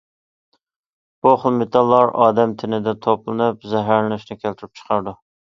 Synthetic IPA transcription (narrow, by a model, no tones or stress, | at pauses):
b̥uχəlˠmet̪ʰɑlˠːɑɾɑ̰ːd̪ɛmt̪ʰɪnɪd̪ɪt̪ʰoplˠɨnɨpzɛɦæɾllɪʃnɪkʲʰælt̪ʰyɾɪp̚t͡ʃʰə̥qʰɑɾd̪u